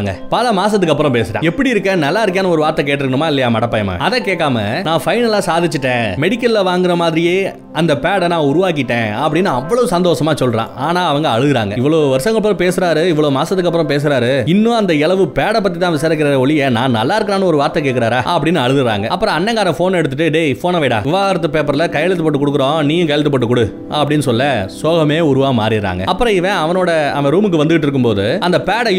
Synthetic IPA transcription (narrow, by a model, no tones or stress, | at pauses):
ŋɡɐ̰pɐlɐmaːs̬ɐt̪ːɯkːɐpːɯɾɔ̃peːsɯʈã̰ɛpːɐɽiɪɾɯkːɐ̃nɐlːaːɪɾɯkːaːnɐɔɾɯʋaːɾt̪ɐk̬eːʈːɪɾɯkːɐɳɯmaːɪlːɐjaːmɐɽɐpːɐjɐmɐ̰ɐðɛ̃ːkeːʈːaːmɐ̰nãːfɐɪnɐlaːsaːðɪt͡ʃːɯʈːẽːmɛɽɪkːɐllɐʋaːŋɡɪɾɐmaːðɪɾɪjeː | ɐnd̪ɐpeːɽɐnãːʊɾʊʋaːk̬ːɪʈːẽːɐpːɐɽɪnːɯɐʋːɐɭɐʋɯsɐnd̪oːʂɐmaːsɔlːɾã̰ːaːnaːɐʋɐŋɡɐɐɻɯðɯɾa̰ːŋɡɐɪʋːɐɭoːʋɐɾʂɐ̃ŋɡɐɭɐp̬ːɯɾɐ̃peːsɯɾaːɾɯɪʋːɐɭoːmaːsɐt̪ːɯkːɐpːɯɾɔ̃peːs̬ɯɾaːɾɯɪnːũɐnd̪ɐɪɭɐʋɯpeːɽɐp̬ːɐt̪ːit̪ãːʋɪsaːɾɪk̬ːɪɾaɾɐɔɭɪjenãːnɐlːaːɪɾɯkɐɾaːnɯ̃ɔɾɯʋaːɾt̪ːɐk̬eːʈkːɪɾaːɾaːɐpːɐɽɪnːɯɐɻɯðɯɾa̰ːŋɡɐɐpːɯɾɔ̃ɐnːɛŋɡaːɾɐ̃foːnɛɽɯt̪ːɯʈːɯɖefoːnɐʋɐɪɽa̰ːʋɪʋaːɣaːɾɐt̪̬ːɯpeːpɐɾlɐkɐjɐɭɐt̪̬ːɯpːɔʈːɯkɔɽɯkːɯɾõːniːjʊ̃kɐjɐɭɪt̪ːɯpːɐʈːɯkːʊɽɯ | ɐpːɐɽɪnːɯsɔlːɐsoːɣɐmeːʊɾʊʋaːma̰ːɾɪɾa̰ːŋɡɐ̰ɐpːɯɾɔ̃ɪʋɐ̃ɐʋɐnoːɽɐɐnɐɾuːmɯkːɯʋɐnd̪ɯɣɪʈːɪɾɯkːɯmpoːðɯɐnd̪ɐpeːɽɐ